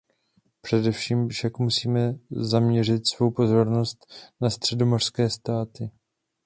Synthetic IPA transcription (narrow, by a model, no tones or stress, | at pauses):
pr̥ɛdɛfʃiːmfʃakmusiːmɛzamɲɛr̝ɪt̪svo̞wpo̞zo̞ɾno̞st̪nast̪r̝̥ɛdo̞mo̞r̥skɛːst̪aːt̪ɪ